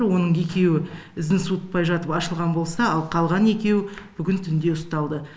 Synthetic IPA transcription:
ɾwo̞nəɴe̞kʲe̞wɪɪzɪnsut̪̚pɑjʒɑt̪əpɑʃəlˠʁɑnbo̞lˠsɑɑlˠqʰɑlˠʁɑne̞kʲe̞wb̥ʏɡʲɪnt̪ʰʏnd̪e̞ʊst̪ɑlˠd̪ə

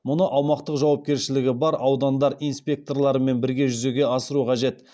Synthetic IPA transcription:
mʊnəʔɑwmɑqt̪əqʒɑwɑp̚kʲeɾʃɪlɪɡʲɪbɑɾʔɑwd̪ɑnd̪ɑɾijnspʲe̞k̚t̪o̞rlˠɑɾəme̞nbɪɾɡʲe̞ʒʏze̞ɡʲe̞ɑsəɾuqʰɑʒe̞t̪

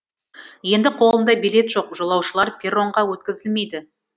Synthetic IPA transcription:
je̞nd̪ɪqʰo̞lˠənd̪ɑjbile̞t̪ʒ̥o̞qʒolˠɑwʃəlˠɑɾpʲʰeɾo̞ɴʁɑwɵt̪̚kʲɪzɪlme̞jd̪ɪ

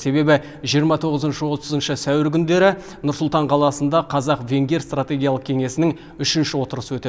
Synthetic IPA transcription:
se̞be̞bɪ | ʒijəɾmɑt̪ʰo̞ʁəzənʃəwo̞t̪əzənʃəsæwɪɾkʲʰʏnd̪e̞ɾɪ | nʊɾsʊlˠt̪ɑɴqʰɑlˠɑsənd̪ɑqʰɑzɑqve̞ŋɡʲe̞ɾst̪rat̪ʲe̞ɡʲijɑlˠəq̚kʲʰe̞ŋe̞sɪnɪŋ | ʏʃɪnʃɪwo̞t̪əɾəsəwɵt̪e

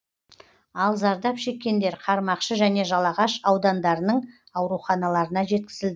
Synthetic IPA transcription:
ɑlˠzɑɾd̪ɑpʃe̞kʲːe̞nd̪e̞ɾqʰɑɾmɑqʃəʒæne̞ʒɑlˠɑʁɑʃɑwd̪ɑnd̪ɑɾənəɴ | ɑwɾuχɑnɑlˠɑɾənɑʒe̞t̪̚kʲɪzɪld̪ɪ

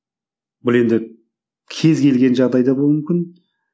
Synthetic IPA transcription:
bʊlˠe̞nd̪ɪ | kʲʰe̞zkʲe̞lɡʲe̞nʒɑʁd̪ɑjd̪ɑbolˠmʏmkʲɪn

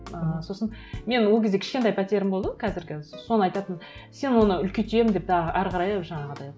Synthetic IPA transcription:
əso̞sənme̞nwolˠkʲɪzd̪ekʰʲɪ̥ʃkʲent̪̬ɑjpʰæt̪jeɾɪmbo̞lˠd̪əəkʰæzɪɾɡʲɪso̞nəɑjt̪ɑt̪ənse̞nwo̞nəʏlkʲet̪ʰije̞mɪnd̪e̞p̚t̪əʔæɾqʰɑɾɑjʒɑɴɑʁəd̪ɑj

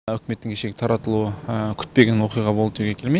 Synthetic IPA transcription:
ʏkʲɪme̞t̪ːɪŋkʲʰeʃe̞ɡʲɪ̥t̪ʰɑɾɑt̪əlˠuəkʲʰʏ̥t̪̚pe̞ɡʲe̞nwo̞qijʁɑbolˠət̪ʰuɡʲekʲʰe̞lmej

